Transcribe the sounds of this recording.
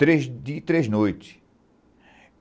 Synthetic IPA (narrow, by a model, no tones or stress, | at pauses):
ɾeʒd̪it̪ɾeznojt̪ɪ̥